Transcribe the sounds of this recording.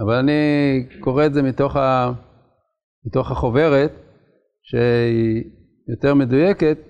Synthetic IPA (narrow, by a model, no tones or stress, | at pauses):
avalaniko̞ʁeːzemit̪o̞χa | mit̪o̞χaχo̞ve̞ʁe̞t̪ | ʃei | jo̞te̞ʁme̞dujeke̞t̪̚